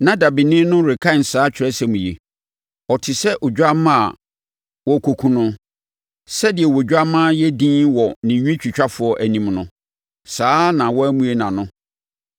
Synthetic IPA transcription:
nã˦da˨bi˨nɪ̃˦nʊ̃˦ɾɪ˨kʰa˦˨n̩˨saː˨˦t͡ɕᶣʰɪ˨ɾɛ˦sɛ˦mũ˨jḛ˨ | ɔ˨tʰɪ˨sɛ˦ʔo˨d͡ʑᶣa˦mã˦a̰˨ | wɔ˦˨kʰo˨kʰũ˨nʊ̃˦ | sɛ˦dɪ˨ɛ˨wɔ˨d͡ʑᶣa˦mãː˦jɛ˦dĩː˦wɔ˨nɪ̃˨ɲᶣĩ˦t͡ɕᶣi˨t͡ɕᶣa˦fʊ˨ɔ˦ʔæ˨nĩ˨mnʊ̃˦ | saː˦nã˨wɔ˦æ˦mũ˦e˦nã˨nʊ̃˦

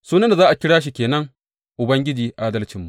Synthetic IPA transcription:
suː˦nɐ˦nda˨zaː˦ʔa˨kʲɪ˦ɽaː˦ʃ̬i˨kʲeː˨nɐ˦ŋ | ʔʊ˨bɐ˦ŋɡʲɪ˦d͡ʒiː˨ʔaː˦dɐ˦lt͡ʃɪ˨mːu˨

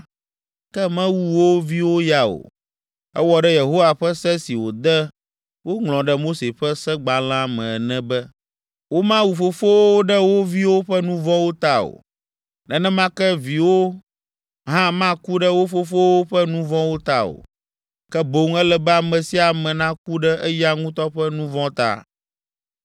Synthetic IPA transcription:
kɛ˦mɛ̃˦wu˦wo˦vi˦wo˦ja˨o̰˨ | ɛ˦wɔ˨ɖɛ˦je˨ɦo˦wa˨ɸɛ˦sɛ˦si˨wo˨d̪ɛ˦ | wo˦ŋl̃ɔ̃˨ɖɛ˦mo˦se˨ɸɛ˦sɛ˦ɡ͡ba˨l̃ã˦˨mɛ̃˨nɛ̃˦bɛ˦ | wo˦mã˦wu˨fo˨fo˦wo˦o˦ɖɛ˦wo˦vi˦wo˦ɸɛ˦nũ˦vɔ̃˦wo˦t̪a˦o̰˨ | nɛ̃˦nɛ̃˦mã˦kɛ˦vi˨wo˦ | ɦã˦mã˦ku˦ɖɛ˦wo˦fo˦fo˦wo˦ɸɛ˦nũ˦vɔ̃˦wo˦t̪a˦o̰˨ | kɛ˦bo˨˦ŋɛ˦lɛ˦bɛ˦a˨mɛ̃˨si˦a˨mɛ̃˨nã˦ku˦ɖɛ˦ʔɛ˦ja˦ŋũ˦t̪ɔ˦ɸɛ˦nũ˦vɔ̃˦t̪a̰˦˨

